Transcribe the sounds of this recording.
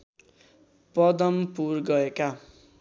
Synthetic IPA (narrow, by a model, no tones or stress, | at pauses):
pʌd̪ʌmpurɡʌeka